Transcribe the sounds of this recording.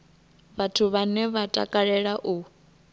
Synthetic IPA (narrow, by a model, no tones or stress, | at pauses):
βatʰuβanɛβatʼa̰kʼaɺɛɺaʔu